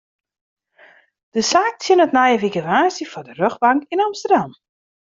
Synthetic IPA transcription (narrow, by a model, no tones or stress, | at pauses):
d̥əsaːk̚tʰjɪnɔtnajəʋiɡəʋaːsifɔdərøxbaŋkinamstərdam